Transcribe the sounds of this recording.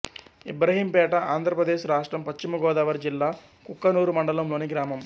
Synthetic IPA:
ibɾɐɦiːmpɛːʈɐʔaːnd̪ʱɾɐpɾɐd̪eːʃɾaːʂʈɾɐmpɐʃt͡ʃimɐɡɔːd̪aːʋɐɾd͡ʒilːaː | kukːɐnuːɾumɐɳɖɐlɐmlo̞ːniɡɾaːmɐm

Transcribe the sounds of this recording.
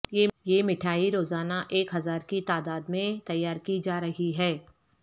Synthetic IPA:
jejemɪʈʰaːiɾoːzaːnaʔeːkɦɐzaːɾkit̪aːd̪aːd̪mẽt̪ɐjːaːɾkid͡ʒaːɾɐɦiɦɛː

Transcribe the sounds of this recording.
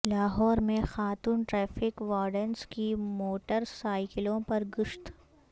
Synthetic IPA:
laːɦɔːɾmẽxaːt̪uːnʈɾɛːfʰɪkʋaːɾɖənskimoːʈəɾsaːɪkɪlõpɐɾɡʊʃt̪

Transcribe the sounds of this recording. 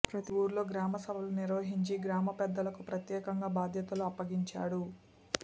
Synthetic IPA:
pɾɐt̪iʋuːɾlo̞ːɡɾaːmɐsɐbʱɐluniɾʋɐɦiɲt͡ʃiɡɾaːmɐpɛd̪ːɐlɐkupɾɐt̪jɛːkɐŋɡaːbaːd̪ʱjɐt̪ɐluɐpːɐɡiɲt͡ʃa̰ːɽu

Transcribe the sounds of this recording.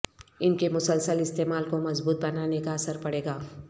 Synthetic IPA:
ɪnkemʊsəlsəlɪst̪eːmaːlkomɐzbuːt̪̚bɐnaːnekaɐsəɾpɐɽeːɡaː

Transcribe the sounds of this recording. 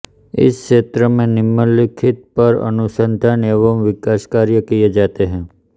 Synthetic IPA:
ɪ̰skʃeːt̪ɾəmẽnɪmːəlɪkʰɪt̪̚pəɾə̰nʊsə̃nd̪ʱaneːʋəmʋɪkaːskaːɾjəkijed͡ʒaːt̪eɦɛ̃ː

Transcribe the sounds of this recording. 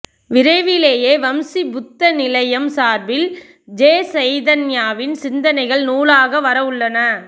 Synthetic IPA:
ʋɪɾɐɪʋɪleːjeːʋɐmsibʊt̪ːɐnɪlɐjɐmsaːɾbɪl | d͡ʒeːsɐɪðɐnjaːʋɪnsɪnd̪ɐnɐɪɣɐɭnuːlaːɣɐʋɐɾɐʋɯɭːɐnɐ

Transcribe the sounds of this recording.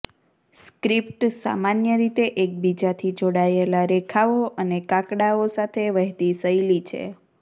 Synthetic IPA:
skɾip̚ʈsa̰manjəɾit̪eʔek̚bid͡ʒat̪ʰid͡ʒoɽaelaɾekʰaoʔənekakɽaosat̪ʰeʋəɦt̪isəilit͡ʃʰḛ

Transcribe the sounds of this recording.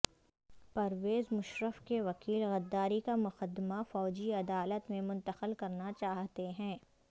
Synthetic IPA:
pɐɾʋeːzmʊʃɾəfkeʋɐkiːlɣɐd̪ːaːɾikamʊqəd̪ːmafɔːd͡ʒiɐd̪aːlət̪mẽmʊ̃nt̪əqəlkɐɾnat͡ʃaːɦt̪eɦɛ̃ː

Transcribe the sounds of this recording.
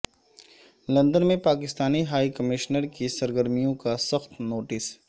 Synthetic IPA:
lɐ̃nd̪ənmẽpaːkɪst̪aːniɦaːikɐmɪʃnəɾkisɐɾɡəɾmijõkasɐxt̪noːʈɪs

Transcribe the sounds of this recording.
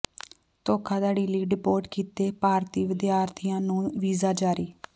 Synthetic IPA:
t̪oːkʰãːd̪aːɖiːliːɖɪpoːʈkiːt̪eːpaːɾt̪iːʋɪd̪jaːɾt̪ʰijãːnũːʋiːzaːd͡ʒaːɾiː

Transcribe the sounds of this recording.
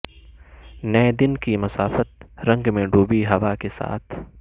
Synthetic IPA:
nɐɛd̪ɪnkimɐsaːfət̪̚ɾɐ̃ŋɡmẽɖuːbiɦɐʋakesa̰ːt̪ʰ

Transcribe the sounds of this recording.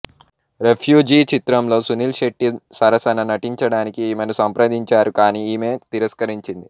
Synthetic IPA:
ɾepʰjuːd͡ʒiːt͡ʃit̪ɾɐmlo̞ːsunilʃeʈːisɐɾɐsɐnɐnɐʈiɲt͡ʃɐɽaːnikiːmɐnusɐmpɾɐd̪ʱiɲt͡ʃaːɾukaːniːiːme̞ːt̪iɾɐskɐɾiɲt͡ʃind̪i

